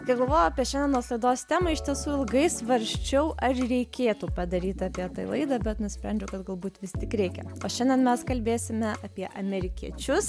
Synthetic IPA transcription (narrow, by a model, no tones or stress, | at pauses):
kɐɪɡɐlˠʋoːjɛɐːpʲiɛʃʲɛnd̪ʲɛnnuɔslˠɐɪd̪oːst̪ʲæːmɐɪʃt̪ʲiɛsuːɪlˠɡɐɪsʋɐɾʲʃʲt͡ʃʲɛʊʔɐɾɾʲɛɪkʲeːt̪uːpɐd̪ɐɾʲiːt̪ʲɑːpʲiɛt̪ɐɪlˠɐɪd̪ɐbʲɛt̪nʊsʲpʲɾʲænʲd͡ʒʲʊkɐt̪ɡɐlˠbuːt̪ʋʲɪst̪ʲɪkɾʲɛɪkʲɛoːʃʲɛnʲd̪ʲɛnmʲɛskɐlʲbʲeːsʲɪmʲɛɐpʲiɛʔɐmʲɛɾʲɪkʲiɛt͡ʃʲʊs